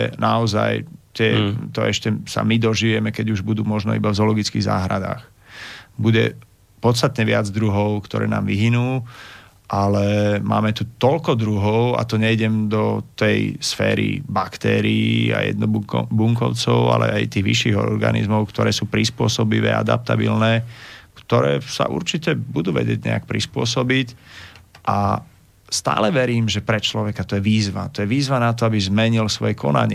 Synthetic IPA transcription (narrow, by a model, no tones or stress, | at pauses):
naɔza̰jt̪ɪɛt̪ɔɛʃcɛsa̰mid̪ɔʒiːʋɛmɛkɛɟuʒbud̪uːmɔʒnɔ̰ibavzɔlɔɡit͡skiɣza̰ːɦɾad̪a̰ːx | buɟɛ | pɔt̪st̪at̪ɲɛʋɪad͡zd̪ɾuɦɔʊkt̪ɔɾɛ̰ːnaːmʋiɦinuː | ʔalɛma̰ːmɛt̪ut̪ɔlkɔd̪ɾuɦɔʊa̰t̪ɔɲɛiɟɛmd̪ɔt̪ɛjsfɛːɾḭbakt̪ɛːɾiia̰jɛ̰d̪nɔbuŋkɔʊt͡sɔʊa̰lɛ̰ajt̪iːɣʋḭʃːiːɣɔɾɡa̰nḭzmɔʊkt̪ɔɾɛːsuːpɾispʊɔsɔbiʋɛ̰ːa̰d̪a̰p̚t̪abḭlnɛːkt̪ɔɾɛːsa̰ʔṵɾt͡ʃicɛbud̪uːʋɛ̰ɟɛɟɲɛ̰a̰k̚pɾispʊɔsɔbic | ʔa̰ | st̪a̰ːlɛʋɛɾiːmʒɛpɾɛt͡ʃlɔʋɛkat̪ɔjɛʋiːzʋa̰t̪ɔjɛʋiːzʋanat̪ɔabizmɛɲilsʋɔjɛkʰɔna̰ɲɪ